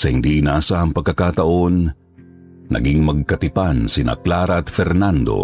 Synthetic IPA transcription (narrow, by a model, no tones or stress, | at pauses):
sɐhind̪inaːsaʔɐŋpɐɡ̚kːɐkaːt̪ɐʔo̞nː | ʔɐ̰ɡiŋmɐɡ̚kɐt̪ɪpansɪna̰klaːɾɐɐt̪fɛɾnand̪o̞̰